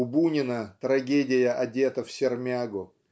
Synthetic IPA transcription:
ʊbunʲɪnət̪ɾɐɡʲedʲɪjəʔɐdʲe̞t̪əfsʲɪrmʲaɡʊ

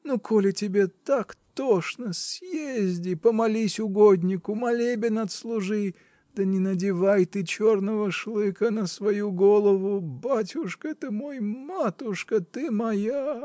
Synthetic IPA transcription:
nukʰolʲɪtʲɪbʲe̞t̪akt̪oʂnəsjezʲdʲɪpəmɐlʲisʲʊɡod̪ʲnʲɪkʊmɐlʲebʲɪnɐt̪slˠʊʐɨ | d̪̥ənʲɪnədʲɪvajt̪ɨt͡ɕornəvəʂlˠɨkənəsvɐjuɡolˠəvʊbatʲʊʂkəɛt̪əmo̞jmat̪ʊʂkət̪ɨmɐja

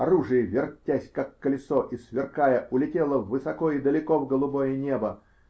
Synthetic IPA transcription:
ɐɾuʐɨjəvʲɪrtʲːæsʲkakːəlʲɪsoʔisvʲɪrkajəʔʊlʲɪtʲelˠəvːɨsɐkoid̪əlʲɪkovɡəlˠʊbojɪnʲebə

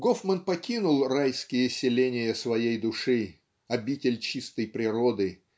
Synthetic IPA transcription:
ɡofmənpɐkʲinʊlˠrajskʲɪjəsʲɪlʲenʲɪjəsvɐjejd̪ʊʂɨ | ɐbʲitʲɪlʲt͡ɕist̪əjpɾʲɪɾod̪ɨ

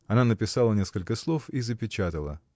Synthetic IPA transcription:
ɐnanəpʲɪsalˠənʲe̞skəlʲkəslˠo̞fizəpʲɪt͡ɕat̪əlˠə̰

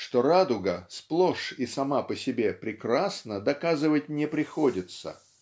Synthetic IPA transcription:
ʂt̪o̞ɾad̪ʊɡəsplˠoʂisɐmapəsʲɪbʲe̞pɾʲɪkɾasnəd̪ɐkazɨvətʲnʲɪpɾʲɪxodʲɪt̪sə̰

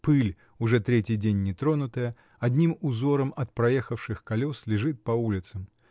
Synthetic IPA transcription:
pɨlʲ | ʊʐɛt̪ɾʲetʲɪjdʲenʲːɪt̪ɾo̞nʊt̪əjə | ɐdʲnʲimʊzo̞ɾəmɐt̪̚pɾɐjexəfʂɨxkɐlʲoslʲɪʐɨt̪̚pɐulʲɪt̪səm

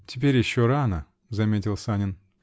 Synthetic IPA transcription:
tʲɪp̬ʲeɾʲjɪɕːoɾanə | zɐmʲetʲɪlˠsanʲɪn

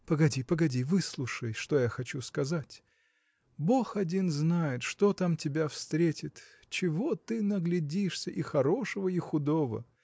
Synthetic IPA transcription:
pəɡɐdʲipəɡɐdʲivɨslˠuʂəjʂt̪ojaxɐt͡ɕuskɐzatʲ | bo̞xɐdʲinznajɪt̪ʂt̪ot̪amtʲɪbʲafst̪ɾʲetʲɪt̪ | t͡ɕɪvot̪ɨnəɡlʲɪdʲiʂsʲəʔɪxɐɾo̞ʂəvəɪxʊd̪o̞və̰

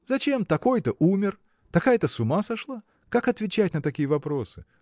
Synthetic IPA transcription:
zɐt͡ɕe̞mt̪ɐko̞jt̪əʔumʲɪr | t̪ɐkajət̪əsʊmasɐʂlˠa | kakɐt̪vʲɪt͡ɕætʲnət̪ɐkʲijəvɐpɾo̞sɨ

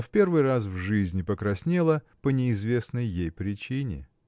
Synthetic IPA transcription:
fpʲe̞rvɨjras̬vʐɨzʲnʲɪpəkɾɐsʲnʲelˠə | pənʲɪɪzvʲe̞snəjːejpɾʲɪt͡ɕinʲɪ̰

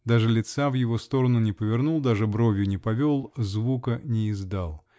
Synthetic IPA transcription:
d̪aʐɨlʲɪt̪savjɪvo̞st̪o̞ɾənʊnʲɪpəvʲɪrnulˠd̪aʐɨbɾo̞vʲjʊnʲɪpɐvʲolˠzvukənʲɪɪzd̪alˠ

